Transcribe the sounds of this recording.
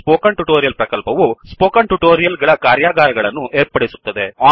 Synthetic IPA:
poːkɐɳʈuʈoːɾijɐlpɾɐkɐlpɐʋuspoːkɐɳʈuʈoːɾijɐlɡɐɭɐkaːɾjaːɡaːɾɐɡɐɭɐnːuʔeːɾpɐɽesu̥t̪ːɐd̪e̞aː

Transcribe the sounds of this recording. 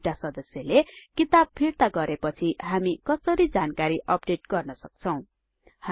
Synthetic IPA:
ʈasʌd̪ʌsjʌlekit̪ab̚pʰiɾt̪aɡʌɾepʌt͡sʰiɦamikʌsʌɾid͡zankaɾiʔʌp̚ɖeʈɡʌrnʌsʌk̚t͡sʰʌw̃ | ha

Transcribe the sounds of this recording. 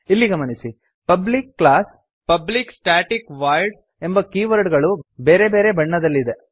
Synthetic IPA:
ilːiɡɐmɐnisi | pɐblikːɭaːs | pɐbliksʈaːʈikʋaːjɖ | e̞mbɐkiːʋɐɾɖɡɐɭubeːɾebe̞ːɾebɐɳːɐd̪ɐlːid̪e

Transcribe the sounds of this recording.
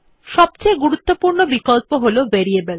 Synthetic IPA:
ʃɔb̚t͡ɕeɡuɾut̪ːopuɾnobikolpoɦoloveɾiebel

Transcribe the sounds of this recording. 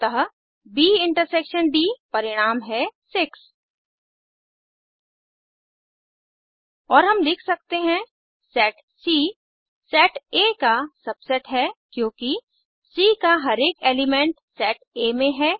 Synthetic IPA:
t̪ɐɦ | biːɪ̃ɳʈəɾseːkʃənɖiːpɐɾɪɽ̃aːmɦɛsɪks | ɔːɾɦɐmlɪkʰsɐk̚t̪eɦɛ̃ | sɛːʈ | siː | sɛːʈekasɐbsɛʈɦɛkjõːki | siːkaɦɐɾeːkeːlɪmẽɳʈsɛːʈeːmẽɦɛː

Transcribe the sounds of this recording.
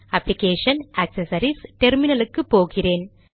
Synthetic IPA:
ɐpːlikeːʂɐnɐksɐsɐɾisʈeɾminɐlɯkːɯpoːɣɪreːn

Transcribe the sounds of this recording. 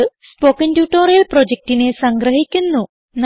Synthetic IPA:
ɨspo̞ːkːɐntjuːʈːoːɾijɐlpro̞d͡ʑek̚ʈine̞sɐŋɡɾɐɦikʲːunːu | n

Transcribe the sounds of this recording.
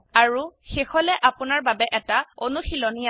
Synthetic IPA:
aɹuxexɔlɛʔapʊnaɹbabɛʔɛtaonuxilɔnija

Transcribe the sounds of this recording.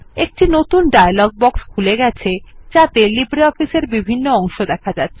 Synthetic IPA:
ek̚ʈinot̪unɖajalɔɡ̚bɔkskʰuleɡɛt͡ɕʰed͡ʑat̪elibɾiɔfiseɾbibʱinːoɔŋʃod̪ɛkʰad͡ʑat̪ːɕʰe

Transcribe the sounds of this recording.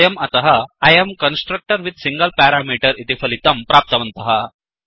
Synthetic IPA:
jemɐt̪ɐɦɐɐjemkənsʈɾək̚ʈəɾʋid̪siŋɡəlpɛɾamiʈəɾit̪ifɐlit̪ɐmpɾap̚t̪ɐʋɐnt̪ɐɦa

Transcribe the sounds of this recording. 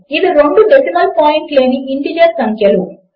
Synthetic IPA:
iʋiɾoɳɖuɖesimɐːlpaːjiɳʈle̞ːniʔiɳʈid͡ʒɐɾsɐŋkʰjɐlu

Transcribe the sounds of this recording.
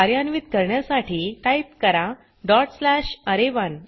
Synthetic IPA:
aɾjanʋit̪kəɾɳjasaʈʰiːʈajp̚kəɾa | ɖɔʈslæɕəɾeʋən

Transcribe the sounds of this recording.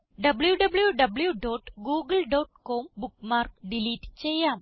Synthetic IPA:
ɖɐbljuɖɐbljuɖɐbljuɖoːʈɡuːɡɐlɖoːʈkoːmbukmaːrkɖiliːʈːt͡ɕejːaːm

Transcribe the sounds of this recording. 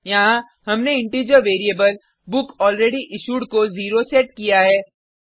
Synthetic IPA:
jɐɦã | ɦɐmneɪ̃ɳʈiːd͡ʒəɾʋeːɾiebəl | bʊkɔːlɾeːɖiʔɪʃuːɖkoziːɾosɛʈ̚kijaɦɛː

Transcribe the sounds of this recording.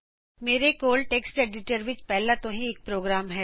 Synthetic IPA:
meːɾekoːlʈeːksʈeːɖɪʈəɾʋɪt͡ʃpɛɦlat̪õɦĩeːk̚pɾoːɡɾaːmɦɛː

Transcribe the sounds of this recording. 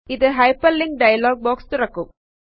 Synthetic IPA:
ɪðɯɦɐɪpɐlːɪŋ̚ɖɐjɐloːɡ̚boːkst̪ʊɾɐkːɯm

